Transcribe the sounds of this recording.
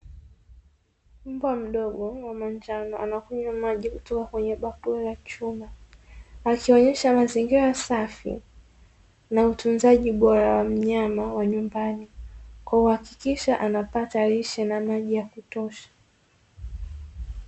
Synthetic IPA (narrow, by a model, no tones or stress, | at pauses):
m̩bwam̩ɗɔɠɔwamand͡ʒanɔʔanakuɲamaʄikutɔkakwɛɲɛɓakuɛlat͡ʃumaː | kiɔɲɛʃamaziŋɡiɾasafḭ | nautunzaʄiɓɔɾawam̩ɲamawaɲumbanikwauhakikiʃaʔanapataɾiʃɛnamaʄijakutɔʃḁ